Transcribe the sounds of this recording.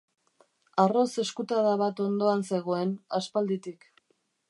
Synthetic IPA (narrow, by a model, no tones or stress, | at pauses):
aro̞se̞skut̪aðaβ̞at̪o̞nd̪o̞anse̞ɣ̞o̞e̞naspald̪it̪ik